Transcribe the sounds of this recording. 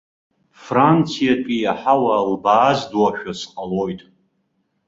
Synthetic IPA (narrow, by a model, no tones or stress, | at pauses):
frant͡sʰijatʼijaħawalbaːzdwaʃᶣasqʼalojtʼ